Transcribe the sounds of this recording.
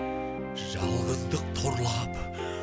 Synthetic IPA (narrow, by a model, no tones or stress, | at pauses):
ʒɑlˠʁəzd̪əq̚t̪ʰo̞ɾlˠɑp